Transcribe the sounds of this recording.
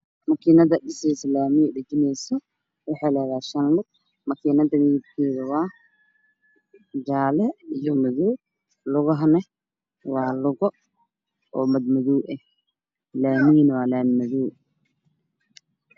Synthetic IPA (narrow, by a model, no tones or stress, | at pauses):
mɐkʰiːnɐðɐɗɪsɛslaːmiɛɖɐt͡ʃɪnɛjsɔ | wɑħɑjlɐːɣaːʃɐnlʊɡ̚ | mɐkʰiːnɐðɐnijɪb̚kʰɛːðɐwɑː | d͡ʒaːlɛijɔmɐðuː | lʊɣɔɦɐnɛ | wɑːlʊɣɔ | ɔːmɐd̪mɐðuwʔɛh | laːmiːnwɑːlanmɐðuw